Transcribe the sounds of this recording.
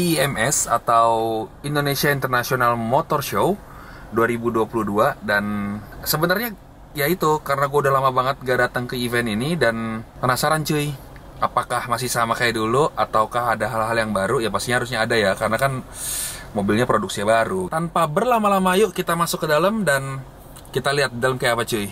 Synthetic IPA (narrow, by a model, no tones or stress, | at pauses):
iɛmɛsa̰t̪awindonesiaint̪ərnasionalmot̪ɔrʃo | duaɾibuduapuluduadansəbənarɲa | jait̪ukaɾənaɡuaudahlamabaŋət̪̚ɡaʔdat̪aŋkəivɛninidanpənasaɾant͡ʃui | apakahmas̬ɪhsamakajaduluʔat̪auwkaɦadaɦalɦaljaŋbaɾujapast̪iɲahaɾʊus̬ɲaːdajakaɾənakan | mobilɲapɾoduk̚siabaɾut̪anpabərlamalamajʊʔkit̪amasʊkːədaləmdan | kit̪aliat̪̚daləmkajapat͡ʃui